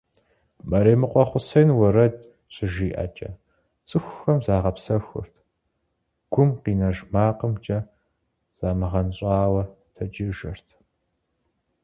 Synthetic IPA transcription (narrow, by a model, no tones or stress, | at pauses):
mɐɾeːmɨqʷɔχʷʊsɐjnwɐɾɐd̚ | ɕʼɪʒiːʔɐ̰t͡ʃʼɐ̰ | t͡sʼɨxʷːɐmzaːʁɐpsɐxʷʊ̰rtʰ | ɡ̥ʷʊmqiːnɐʒmaːqəmt͡ʃʼɐ | z̥aːmɨʁɐnɕʼaːwɐ | tʰɐt͡ʃʼɪʒɐrtʰ